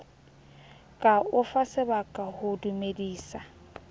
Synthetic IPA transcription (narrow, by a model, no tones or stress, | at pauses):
kʼaʊfasɪbakʼahʊdumediːsa